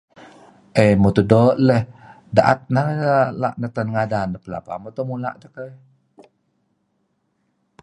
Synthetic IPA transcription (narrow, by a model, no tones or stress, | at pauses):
ʔəjmot̪udoʔləh | daʔa̰t̪̚naɾəəla̰ʔnət̪ənŋadanəpəla̰pa̰mot̪omula̰ʔt̪əkəj